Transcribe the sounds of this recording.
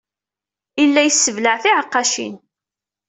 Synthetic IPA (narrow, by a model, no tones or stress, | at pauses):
ilːæjsːəvləʕθiʕəqːɑʃḭn